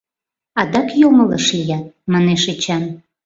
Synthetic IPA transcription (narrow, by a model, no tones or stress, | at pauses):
ɑd̪ɑkjomələʃlijɑt̪̚mɑneʃet͡ɕɑn